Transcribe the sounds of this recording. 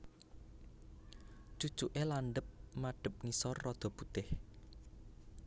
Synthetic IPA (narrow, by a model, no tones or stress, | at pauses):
d͡ʒu̥t͡ʃuʔelanɖ̪əp̚maɖ̥ə̤p̚ŋisɔrːɔd̪̥ɔ̤put̪ɪh